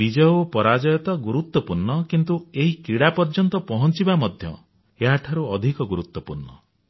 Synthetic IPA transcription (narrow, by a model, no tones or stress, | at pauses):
id͡ʒɔopɔɾad͡ʒɔjɔt̪ɔɡuɾut̪ːwɔpuɾnɔkint̪ueɦikiɽapɔɾd͡ʒɔnt̪ɔpɔɦɔnt͡ʃibamɔd̪ʱjɔ̰ | eɦaʈʰaɾuɔd̪ʱikɔɡuɾut̪wɔpuɾnɔ̰